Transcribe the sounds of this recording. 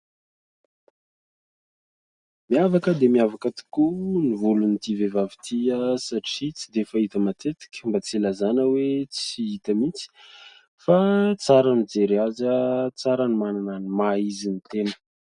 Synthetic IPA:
miavakəd̪emiavakət̪i̥kunivulunit̪ivevavit̪ʰiəsaʈ͡ʂit͡sid̪efait̪əmat̪ʰet̪i̥kʲə̥mbat͡silazanəwet͡siit̪əmit͡si̥ | fat͡saɾanid͡zeɾiazət͡saɾanimanananimaizinit̪enə̥

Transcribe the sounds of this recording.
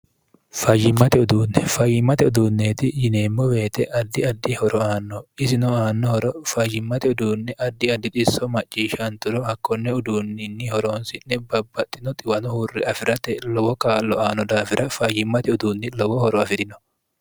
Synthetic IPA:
fɐjɪmːɐt̪ɛʊd̪uːnːɛfɐjːɪmːɐt̪ɛʊd̪uːnːeːt̪ɪjɪneːmːɔwe̞ːt̪ɛʔɐd̪ːɪɐd̪ːɪhɔɾɔaːnːɔɪsɪnɔaːnːɔhɔɾɔfɐjɪmːɐt̪ɛʊd̪uːnːɛʔɐd̪ːɪɐd̪ːɪt̪ʼɪsːɔmɐt͡ʃʼːiːʃɐnt̪ʊɾɔhɐkːɔnːɛʊd̪uːnːɪnːɪhɔɾo̞ːnsɪnːɛbɐbːɐt̪ʼːɪnɔt̪ʼɪwɐnɔhurːɪɐfɪɾɐt̪ɛlɔwɔkaːlːɔaːnɔd̪aːfɪɾʔɐfɐjɪmːɐt̪ɛʊd̪uːnːɪlɔwɔhɔɾɔɐfɪɾɪnɔ̥

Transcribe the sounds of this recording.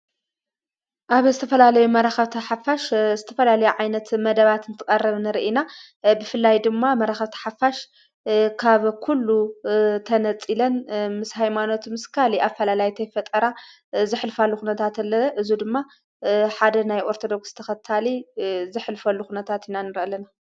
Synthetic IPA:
ʔaβzɨt̪ʰɐfɐlalɐjumɐɾaxɐβt̪ʰɐħafaʃzɨt̪ʰɐfɐlalɐjuʕajnɐt̪mɐd̪ɐβat̪ɨnt̪ʰɨkʼɐrːɐβnɨɾʔina | bɨfɨlːajd̪ɨmːamɐɾaxɐβt̪ʰɐ̥ħafaʃ | kʰaβkʰulːut̪ʰɐnɐt͡sʼilɐnmɨshajmano̞t̪mɨskʰaliʔafːɐlalajt̪ʰɐjfɐt̪ʼɐɾa | zɨħlfalːuxunɐt̪ʰat̪ɐlːɐʔɨzud̪ɨmːa | ħad̪ɐnajʔo̞ɾt̪ʰod̪o̞kst̪ʰɐxɐt̪ʰalizɨħlfɐlːuxunɐt̪ʰat̪inanɨɾʔɐlɐna

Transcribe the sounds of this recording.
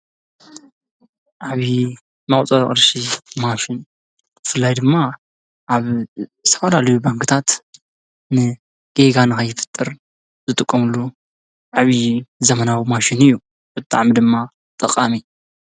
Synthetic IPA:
ʔaβi | mɐχʼt͡sʼɐɾχʼɨɾʃimaʃin | bɨfɨlːajd̪ɨmːa | ʔaβt̪ʰɐfɐlalɐjubaŋkʰɨt̪ʰat̪ | nɨ | ɡ̥eɡanɨxɐjːɪfɨ̥t̪ʼːɨɾ | z̥ɨt̪ʼɨkʼːɐmɨlːu | ʕaβizɐmɐnawimaʃinɨjːu | bɨt̪ʼa̰ʕmid̪ɨmːa | t̪ʼɨqʼami

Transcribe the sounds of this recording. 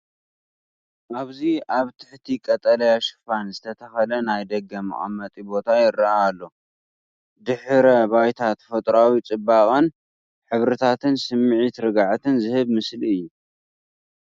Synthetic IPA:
ʔaβziaβt̪ʰɨ̥ħt̪ʰikʼɐt̪ʼɐlɐjaʃɨ̥fanzɨt̪ʰɐt̪ʰɐxɐlɐnajd̪ɐɡːɐmɐ̰χʼɐ̰mːɐt̪ʼibo̞t̪ʰajɪɾːɐaːlːo̞ | d̪ɨħɾɐbajt̪ʰat̪fɐt̪ʼɾawit͡sʼɨbaχʼon | ħɨβɾɨt̪ʰat̪ʰɨnsɨmːɨʕit̪ɾɨɡaʕt̪ʰɨnzɨhɨβmɨsliɨjːu

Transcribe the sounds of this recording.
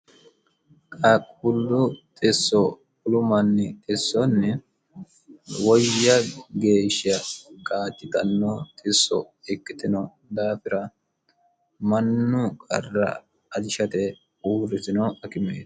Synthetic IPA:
kʼɐkʼʊlːʊt̪ʼɪsːɔ | ʊlʊmɐnːɪɪsːɔnːɪ | wɔjːɐɡe̞ːʃɪɐkʼaːt̪ːɪt̪ɐnːɔt̪ʼɪsːɔ̰ | ɪkːɪt̪ɪnɐ | d̪aːfɪɾɐ | mɐnːʊkʼɐ̰rːɐ̰ | ɐd̪ɪʃɐt̪ɛ | uːɾɪt̪ɪnɐɐkɪmḛːd̪

